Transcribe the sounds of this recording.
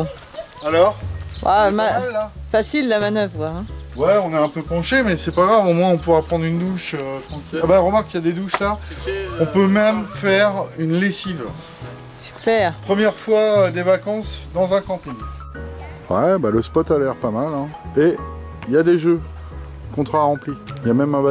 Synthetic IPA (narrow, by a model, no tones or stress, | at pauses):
alɔʁa̰maɛlafasilːamanœvʁkwãwɛɔ̃nɛɛ̃pøpɑ̃ʃemɛsɛpaɡʁavomwɛ̃ɔ̃puʁapχɑ̃d̪ʁynd̪uʃøkɑ̃kbaʁəmaʁkːjad̪ed̪uʃlaɔ̃pømɛmfɛʁynlesiv | sy̥pɛʁpχəmjɛʁfwaød̪evakɑ̃sd̪ɑ̃zɛ̃kɑ̃piɲ | wɛbaləspɔt̪alɛʁpamalɛ̃e | iljad̪eʒø | kɔ̃t̪χaʁɑ̃pliljamɛmɛ̃ba